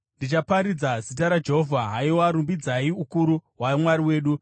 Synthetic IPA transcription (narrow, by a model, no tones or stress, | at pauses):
ndit͡ʃapaɾid͡zazit̬aɾad͡ʒe̞ɦovʱaɦaioaɾumbid͡zaiukuɾuɦwamwaɾiwe̞ːɗu